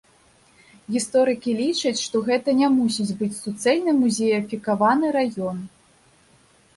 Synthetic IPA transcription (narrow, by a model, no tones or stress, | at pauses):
ɣʲist̪ɔɾɨkʲilʲit͡ʂɐt͡sʲʂt̪ɔɣɛt̪ɐnʲɛmusʲid͡zʲbɨt͡sʲsut̪sɛlʲnɨmuzʲejɐfʲikavanɨɾajɔn